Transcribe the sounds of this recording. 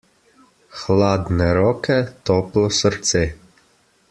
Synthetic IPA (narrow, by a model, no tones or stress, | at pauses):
xlaːd̪nɛɾɔːkɛt̪ɔplɔsəɾt̪se